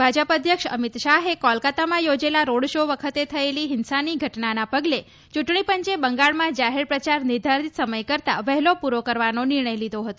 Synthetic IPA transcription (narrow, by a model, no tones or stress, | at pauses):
bʱad͡ʒəpəd̪ʱjəkʂə̰mit̪ʃaɦekɔlkat̪amãjod͡ʒelaɾoɽʃoʋəkʰət̪et̪ʰəeliɦɪnsaniɡʱəʈnanapəɡle | t͡ʃuʈɳipəɲt͡ʃebəŋɡaɭmãd͡ʒaɦeɾpɾət͡ʃaɾnɪɾd̪ʱaɾit̪səməjkəɾt̪a̰ʋəɦlopuɾokəɾʋanonɪɾɳəjlid̪ʱoɦət̪o